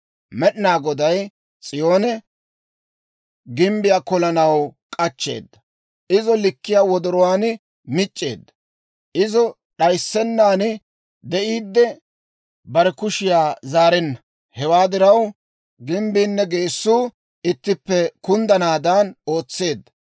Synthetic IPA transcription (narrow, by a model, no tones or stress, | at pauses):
mɛɗɪnaːɡɔd̪ɐj | t͡sʼɪjo̞ːnɛ | ɡɪmbɪjaːkɔlɐnɐwkʼɐt͡ʃːe̞̰ːd̪ːɐ | ʔɪzɔlɪkːɪjaːwɔd̪ɔɾɔwaːn | mɪt͡ʃʼːe̞̰ːd̪ːɐ | ʔɪzɔ | ɗɐjsːɛnːaːnɪ | d̪ɛʔiːd̪ːɛ | bɐɾɛkʊʃɪjaːzaːɾɪnːɐ | hɛwaːd̪ɪɾɐw | ɡɪmbiːnːɛɡe̞ːsːuː | ɪt̪ːɪpːɛkʊnd̪ɐnaːd̪ɐno̞ːt͡sːe̞ːd̪ːɐ̥